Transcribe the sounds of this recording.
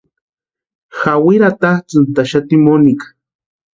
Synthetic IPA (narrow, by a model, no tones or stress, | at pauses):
xawiɾat̪aht͡sɨnt̪aʃat̪imonika